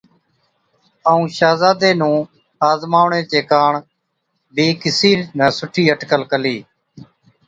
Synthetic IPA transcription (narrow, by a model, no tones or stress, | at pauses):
əːũːʃaːzaːd̪eːnũː | aːzmaːʋɳẽːt͡ʃeːkaːɳ | bʱiːkɪsiːnəːsʊʈʰiːəʈkəlkəliː